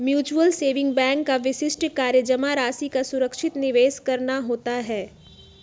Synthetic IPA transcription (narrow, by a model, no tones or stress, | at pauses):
mjuːt͡ʃuəlseːʋɪ̃ŋɡ̚bɛ̃ːŋkːaʋɪʃɪsʈkaːɾjəd͡ʒəmaɾaːsikasʊɾəkʃɪt̪nɪʋeːskɐɾnaɦoːt̪aɦɛː